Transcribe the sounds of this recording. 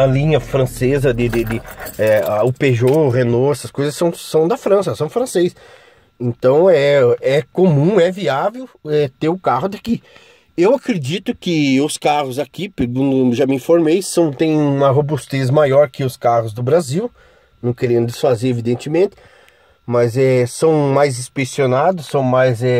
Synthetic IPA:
ɐlĩɲɐfɾɐ̃sezɐd̪ɪd̪ɪd̪ɪɛaʊpeʒoʁenoɛsɐskojzɐsɐ̃w̃sɐ̃w̃d̪ɐfɾɐ̃s̬ɐsɐ̃w̃fɾɐ̃sejs | ẽnt̪ɐ̃w̃ɛɛkõmũɛviavewɛt̪eɾʊkaɦʊd̪aki | ewakɾed͡ʒit̪ʊkɪʊskahʊzakipeɡũnd̪ʊʒamɪĩfoɾmejsɐ̃w̃t̪ẽj̃ũmɐɦobust̪ezmajɔɾkɪʊskahʊzd̪ʊbɾaziw | nɐ̃w̃keɾẽnd̪ʊd̪ɪsfazeɾevid̪ẽnt̪ɪmẽnt̪ɪ̥ | mɐzɛsɐ̃w̃majzispesionad̪ʊsːɐ̃w̃majzɛ

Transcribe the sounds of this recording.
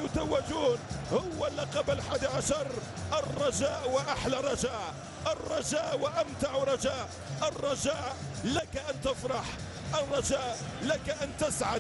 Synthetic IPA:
jʊt̪awːɪd͡ʒuːnhʊwːalːaqɑblħaːd̪iʕaʃɑɾˤ | ʔɑrˤːɑʒaːʔwɪʔaħlarˤɑʒaːʔ | ʔɪrˤːɑʒaːʔwɪʔamt̪aʕɾˤɑd͡ʒaːʔ | ʔɑrˤːɑd͡ʒaːʔ | lakaʔant̪ɪfɾˤɑħ | ʔɑrˤːɑʒaːʔlakaʔant̪ɪsʕad̪

